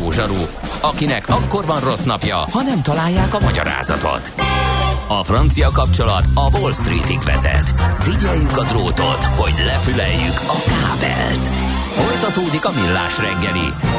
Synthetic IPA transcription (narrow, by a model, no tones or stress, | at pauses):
oːʒɒɾuɒkinɛkʰɒkːo̞rvɒnro̞snɒpjɒhɒnɛmt̪ɒlaːjːaːkɒmɒɟɒ̰ɾa̰ːzɒ̰t̪o̰t̪ | ɒfrɒnt̪sijɒkɒp̚t͡ʃolɒt̪ɒvo̞lst̪rḭːt̪ikʋɛ̰zɛ̰t̪viɟɛjːykɒd̪roːt̪o̞̰t̪ho̞ɟlɛfylɛjːykɒkaːbɛ̰lt̪ | fo̞jt̪ɒt̪oːd̪ikɒmilːa̰ːʃrɛŋɡɛlḭ